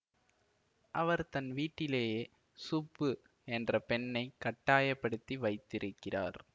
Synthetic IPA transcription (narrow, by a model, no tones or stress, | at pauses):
ʔɐʋɐɾt̪ɐnʋiːʈːɪleːjeː | sʊpːɯ | ɛndrɐpɛɳːɐɪkɐʈːaːjɐpːɐɽɯt̪ːiʋɐɪt̪ːɪɾɯkːɪra̰ːɾ